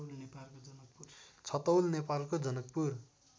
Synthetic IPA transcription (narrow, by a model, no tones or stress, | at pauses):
lnepalkod͡zʌnʌk̚put͡sʰʌt̪ʌwlnepalkod͡zʌnʌk̚pur